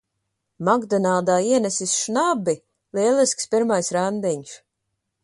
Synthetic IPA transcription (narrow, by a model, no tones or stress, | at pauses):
maɡd̪ɔnaːd̪aːiɛnɛsisʃnabi | lˠiɛlˠiskspiɾmajsɾand̪ɛɲs